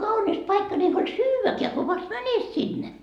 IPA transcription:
kɑunis pɑikːɑ ni ei huolʲ syːʋækeæ ko ʋɑst mænet sinːe

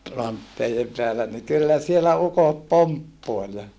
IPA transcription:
rɑntːeijem peælæ ni kylːæ sielæ ukot poɑmpːoel jɑ

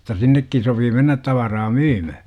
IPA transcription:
jotːɑ sinːekːin sopiː menːæt tɑʋɑrɑː myːmæ

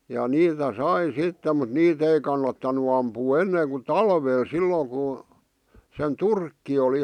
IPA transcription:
jɑ niːtæ sɑi sitːe mut niːt ei kɑnːɑtːɑnu ɑmpuː enːeːŋ ku tɑlʋeːl silːoːŋ ku sen turkːi oli

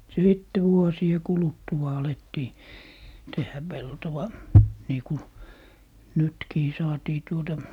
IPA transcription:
siˑtːe ʋuosie kulutːuɑ ɑletːiː tehːæ peltowɑ niːku nytkiː sɑːtiː tuotɑ

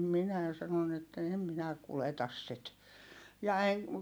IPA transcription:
minæˑ sɑnon etːæ eˑm minæ kuletɑs sit jɑ eŋ

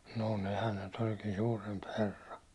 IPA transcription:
noˑ nehæn ne nyt olʲkiː suːremp herː

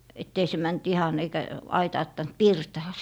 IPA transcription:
etː ei se mænt ihɑn eikæ ɑitɑːtːɑnt pirtɑː

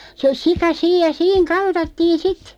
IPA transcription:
sə sikɑ siːj jɑ siːŋ kɑltɑtːiːn sit

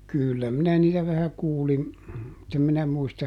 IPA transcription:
kyˑlːæ minæ niːtæ ʋæhæ kuːlin mutː em minæ muistɑ

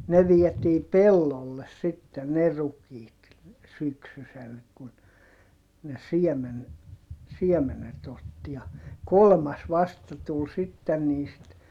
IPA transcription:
ne ʋiɛtiː pelːolːes sitːe ne rukiːt syksysel kun ne siɛmen siɛmenet otːi jɑ kolmɑs ʋɑstɑ tul sitːen niːst

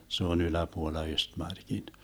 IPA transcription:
se on ylæpuolːɑ østmɑrkin

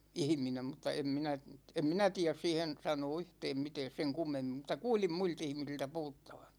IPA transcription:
ihĭminem mutːɑ em minæ em minæ tiæs siːhen sɑnoː yhtɛːm mitɛːs seŋ kumːemːim mutɑ kuːlim muilt ihmisiltæ puhutːɑ̥ʋ̥ɑ̥

